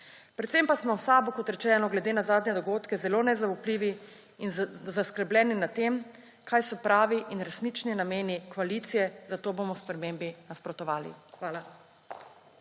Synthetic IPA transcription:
pɾɛt̪sempasmɔsaːbukɔt̪ɾɛt͡ʃɛːnɔɡlɛd̪eːnazaːd̪nɲɛd̪ɔɡoːt̪kɛzɛloːnɛzaupliʋi | inzaskəɾblʲɛːninat̪eːm | kaːjsɔpɾaːʋiʔinɾɛsniːt͡ʃninameːnikʋalit̪sijɛzat̪oːbomɔspɾɛmembinaspɾɔt̪ɔʋaːlḭxʋaːla

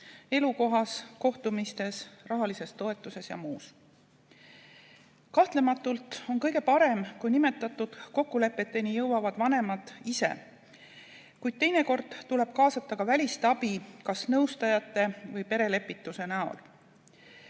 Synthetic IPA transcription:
e̞luko̞ɦɑsko̞ht̪umist̪e̞srɑɦɑlise̞st̪o̞e̞t̪ːˑuse̞sjɑ̰muːs | kɑht̪le̞mɑt̪ːˑult̪o̞nkɤjɡe̞pɑɾe̞mkujnime̞t̪ːˑɑt̪ːˑud̪̥ko̞kːule̞pːˑe̞t̪ːˑe̞nijɤwwɑvɑd̪̥vɑne̞mɑd̪̥ise̞̰ | kujd̪̥̚t̪e̞jne̞ko̞rd̪̥t̪ule̞b̥kɑːsɑt̪ːˑɑkɑvælʲist̪ɑb̥ikɑsnɤwst̪ɑjɑt̪ːˑe̞vɤjpe̞ɾe̞le̞pːˑit̪ːˑuse̞næo̞̰l

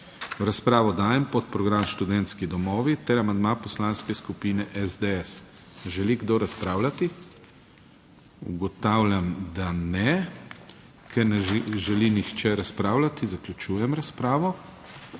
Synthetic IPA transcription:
ɾaspɾaːʋɔd̪aːjɛmpɔt̪̚pɾɔɡɾamʃt̪ud̪ɛnt̪skid̪ɔmɔːʋit̪ɛɾamand̪mapɔslaːnskɛskupiːnɛʔɛzd̪ɛɛs | ʒɛliɡd̪oɾaspɾaːwlʲat̪i | ṵɡɔt̪awlʲjamd̪anɛ | kʰɛɾnɛʒɛlinixt͡ʃɛɾaspɾaːwlat̪izaklʲut͡ʃuːjɛmɾaspɾaːʋɔ

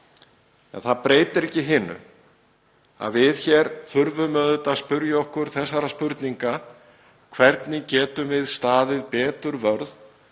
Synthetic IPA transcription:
ɛ̰nθaðpɾeːjt̪ɪɾɛhcɪɦɪnʏ̰ | a̰ðvɪðçɛɾ̥θʏɾvʏmœːðʏt̪aspʏɾjaɔhkʏɾ̥θɛsːaɾaspʏɾt̪niŋka | kʰvɛɾt̪nɪcɛːt̪ʏmvɪðst̪aːðɪðpɛːt̪ʏɾvœɾð

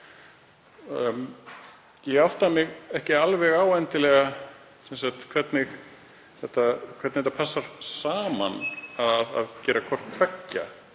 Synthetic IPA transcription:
jɛɣawht̪amɪɣɛhcɪalvɛɣaːwɛjnt̪ɪlɛɣa | sɛnsat̪kʰvɛt̪nɪx | θɛht̪ːakʰœt̪nhɛt̪ːapʰasːaɾ̥saːmanaða̰ðcɛːɾakʰɔr̥t̪t̪ʰvɛcːa̰

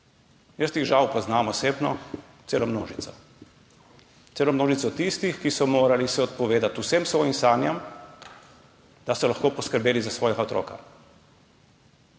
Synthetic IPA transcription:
jəst̪iɣʒawpɔznaːmɔseːbnɔ | t̪seːlɔmno̰ːʒit̪sɔ | t̪seːlɔmnoːʒit̪sɔt̪ist̪ixkisɔmoːɾalisɛɔt̪̚pɔʋeːd̪at̪usemsʋɔːjimsaːnjɛm | d̪̥asɔlaxkoːpɔskəɾbeːlizasʋɔːjɛɡaɔt̪ɾo̰ːka̰

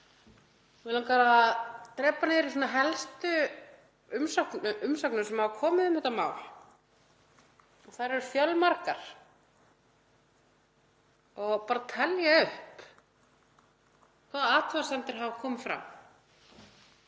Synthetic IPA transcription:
vɪlankaːɾat̪ɾɛːpanɪɪɾisɔnaɦɛlst̪ʏ | ʏmsaknʏʔʏmsawknʏsɛmavakʰɔːmɪðʏmhɛht̪amaːwl | ɔθaɾɛɾʏ̥fjœlmaɾka̰ɾ̥ | ɔɣpaːɾat̪ʰɛljaʏhp | kʰvaːðat̪ʰvaasɛnt̪ɪɾ̥ɦavakʰɔːmɪfɾa̰m

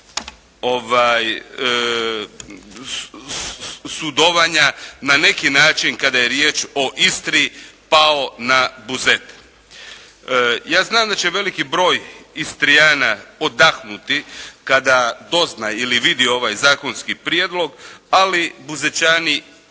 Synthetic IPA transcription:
oʋaj | sud̪oʋaɲanane̞kinaːt͡ʃinkad̪ajeɾjeːt͡ʃo̞ʔist̪ɾipao̞nabuze̞t̪ | jaːznaːmd̪at͡ɕeʋe̞likibɾo̞ːjist̪ɾijaːnaod̪axnut̪ikad̪ad̪o̞znajiliʋid̪io̞ʋajzaːkonskipɾjed̪lo̞ɡalibuzet͡ʃani

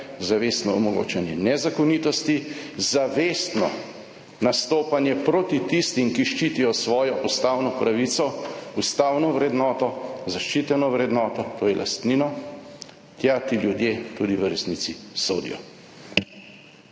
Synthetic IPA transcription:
zaʋest̪nɔɔmɔɡo̰ːt͡ʃɛnjɛnɛzakɔniːt̪ɔst̪izaʋeːst̪nɔ̰ | nast̪oːpanjɛpɾot̪it̪ist̪imkiʃt͡ʃit̪ijɔsʋɔːjɔʔust̪awnɔpɾaʋit̪sɔust̪awnɔʋɾɛd̪nɔːt̪ɔzaʃt͡ʃit̪ɛnɔʋɾɛd̪nɔːt̪ɔt̪oːjɛlʔa̰st̪ninɔ | t̪jat̪iljud̪jet̪ud̪iʋəɾɛsnit̪siso̰ːd̪ḭjɔ̰

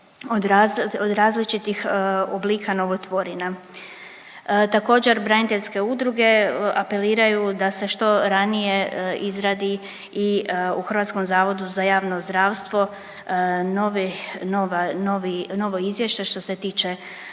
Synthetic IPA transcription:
od̪aod̪ɾaːzlit͡ʃit̪ixobliːkano̞ʋot̪ʋo̞ɾina | t̪ako̞ːd͡ʑe̞ɾbɾanit̪eʎʲske̞ud̪ɾuɡe̞ape̞liːɾajud̪ase̞ʃt̪o̞ɾanije̞izɾaːd̪i | iuxr̩ʋat̪sko̞mzaːʋo̞d̪uzajaːʋno̞zd̪ɾaːʋst̪ʋo̞ | noʋinoʋanoʋino̞ʋo̞izʋje̞ʃt͡ɕeʃt̪o̞se̞t̪iːt͡ʃe

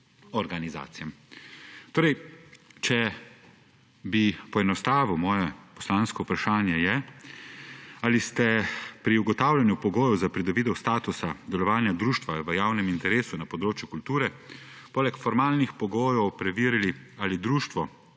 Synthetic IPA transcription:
ɔɾɡaniza̰ːt̪sijɛm | t̪oːɾɛjt͡ʃɛ | bipɔɛnɔst̪aːʋumɔːjɛpɔ̥slaːnskɔupɾaʃaːnjɛjɛ | alist̪ɛpɾiuɡɔt̪aːwlʲanjupɔɡoːjɔwzapɾid̪ɔbid̪ɛwst̪aːt̪usad̪ɛlɔʋaːnjad̪ɾuːʃt̪ʋaʋəjaːwnɛmint̪ɛɾeːsunapɔd̪ɾoːt͡ʃjukult̪uːɾɛ | poːlɛkfɔɾmaːlnixpɔɡoːjɔwpɾɛʋiːɾilialid̪ɾuːʃt̪ʋɔ

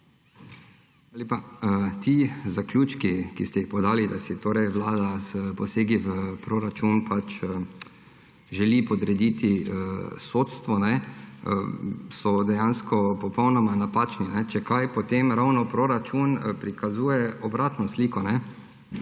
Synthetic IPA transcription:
lepaət̪izaklʲuːt͡ʃkikist̪ɛixpɔd̪aːlid̪asit̪oːɾɛjʋlaːd̪aspɔseːɡiʋəpɾoɾat͡ʃunpat͡ʃ | ʒɛlipɔd̪ɾɛd̪iːt̪iəsoːt̪st̪ʋɔnɛ̰ | sɔd̪ɛjanskɔpɔpɔwnɔmanapaːt͡ʃninɛt͡ʃɛkajpɔt̪emɾawnɔpɾoɾat͡ʃunpɾikazuːjɛɔbɾaːt̪nɔsliːkɔnɛ

